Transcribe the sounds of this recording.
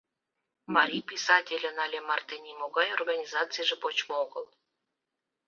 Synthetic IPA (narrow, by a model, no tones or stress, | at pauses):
mɑɾʲijpʲisɑtʲelʲə̆nɑlʲemɑrt̪enʲimoɡɑjorɣɑnʲizɑt͡sɨjʒĕpot͡ɕmooɡəlˠ